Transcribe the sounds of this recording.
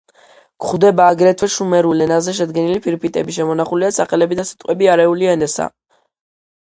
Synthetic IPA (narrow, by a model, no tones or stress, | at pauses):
kχud̪ɛbaːɡɾɛt̪ʰvɛʃumɛɾulɛnazɛʃ̬ɛd̪ɡɛnilipʰiɾpʰit̪ʼɛ̰biʃɛmɔnaχuliasʰaχɛlɛbid̪asi̥t̪ʼqʼwɛbiaɾɛuliɛnɛsa̰